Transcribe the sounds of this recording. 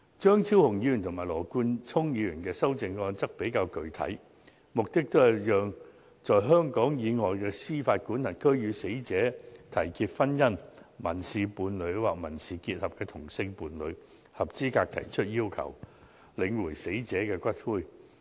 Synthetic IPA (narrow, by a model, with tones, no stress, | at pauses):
t͡ʃœː˥ŋt͡sʰiː˥whʊ˨˩ŋji˨˧jy˨˩nt̪ʰmaː˨˩jlɔː˨˩kuː˧nt͡sʰʊ˥ŋjiː˨˧jyː˨˩nkɛː˧sɐ˥wt͡sɪ˨˧ŋɔː˧nt͡sɐ˥k̚pe˨˥jkaː˧wkɵ˨ɥt̪ʰɐ̰˨˥j | mʊ˨k̚t̪ɪ˥k̚t̪o˥wjɐ˥˨t̚jœː˨ŋ | t͡sɔː˨˩jɦœː˥ŋkɔː˨˥ŋjiː˨˧ŋɔː˨jkɛː˧siː˥faː˧t̚kuː˨˥nhɐ˨˩nkʰɵ˥ɥjyː˨˧se˨˥jt͡sɛː˨˥t̪ʰɐ˨˩jkʰiː˧t̚fɐ˥njɐ˥nmɐ˨˩nsiː˨puː˨˧nlɵ˨˧ɥwaː˨k̚mɐ˨˩nsiː˨kiː˧t̚hɐ˨p̚kɛː˧t̪ʰʊ˨˩ŋsɪ˧ŋpuː˨˧nlɵ˨˧ɥ | hɐ˨p̚t͡siː˥kaː˧k̚t̪ʰɐ̰˨˩jt͡ʃʰɵ˥t̚jiː˥wkʰɐ̰˨˩w | lɪ˨˧ŋwuː˨˩jse˨˥jt͡sɛː˨˥kɛː˧kʷɐ˥t̚fuː˥˩j